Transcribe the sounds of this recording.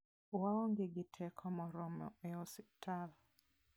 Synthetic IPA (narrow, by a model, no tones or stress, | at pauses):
waɔŋɡeɡɪtʰɛkʰɔmɔɾɔmɔ̰ɛɔsi̥tʰal